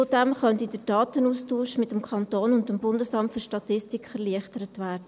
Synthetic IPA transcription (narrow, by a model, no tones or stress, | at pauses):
ʊd̥ɛmχœntidəd̥ɑːtənuːstuːʃmɪtəmkʰɑntoːnʊntəmbʊndəsɑmtfʏɾʃtɑtɪstikfɛɾliəχtəɾətʋæːɾdə